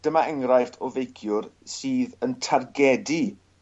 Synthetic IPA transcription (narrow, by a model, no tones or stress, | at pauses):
d̥əmaɛŋɾajftʰɔvejkʰjʊrsiːðəntʰarɡɛdi